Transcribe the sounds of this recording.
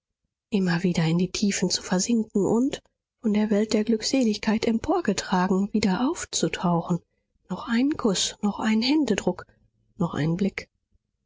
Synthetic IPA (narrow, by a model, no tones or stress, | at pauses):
ʔɪmɐviːdɐɪndiːtʰiːfn̩t͡su̥fɛɐzɪŋkŋ̩ʔʊnt | fɔndeːɐvɛlt̚d̥eːɐɡlʏkz̥eːlɪçkʰaɪtɛmpʰoːɐɡətʁ̥aːɡŋ̩viːdɐʔaʊft͡sutʰaʊxn̩ | nɔχʔaɪnənkʰʊsnɔχʔa̰ɪnənhɛndədʁʊk | nɔχʔa̰ɪnnblɪk